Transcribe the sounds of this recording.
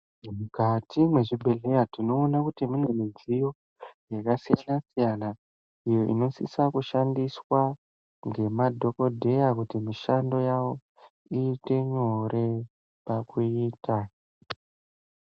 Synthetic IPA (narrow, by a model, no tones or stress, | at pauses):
mukatimwe̞ʐibʱeɮejatino̞ːnakutimine̞mid͡zijo̞ | jakasijanasijana | ijo̞ʔḭno̞sḭsakuʃandiswa | ŋɡe̞madʱo̞ko̞dʱe̞jakutimiʃando̞jawo̞ | iːte̞ɲo̞ɾe̞ | pakuiːtʰa